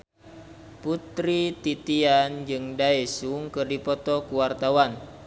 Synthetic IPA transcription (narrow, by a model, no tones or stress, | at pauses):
put̪ɾit̪it̪iand͡ʒɨŋdaɛsuŋkɨrdipɔt̪ɔkuwart̪awan